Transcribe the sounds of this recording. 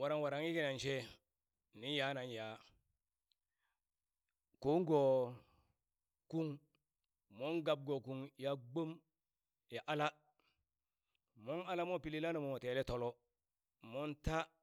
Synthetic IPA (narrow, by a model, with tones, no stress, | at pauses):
wa˨ɾa˨ŋwa˨ɾa˨ŋi˦ke˦na˨nt͡ʃe˦ | ni˦ja˨˦na˨nja˨ | ko˦ŋɡo˨ | ku˦ŋ | mo˦ŋɡa˨b̚ɡo˨ku˨ŋja˨˦ɡ͡bo˦m | ja˨ʔa˨la˦ | mo˦na˦la˦mo˦pi˨li˦la˦no˨mo˨mo˨te˨le˦to˨lo˦ | mo˦nta˦